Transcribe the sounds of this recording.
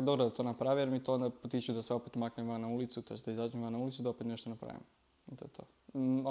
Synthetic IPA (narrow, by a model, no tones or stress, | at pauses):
ad̪obɾod̪at̪o̞ːnapɾaʋijeɾmit̪oond̪apot̪it͡ʃud̪aseo̞pet̪maknemʋannaulit̪sut̪ojesd̪aizad͡ʒimʋannaulit̪sud̪aopet̪neʃt̪onapɾa̰ːʋḭm | t̪oet̪ʰo̰ː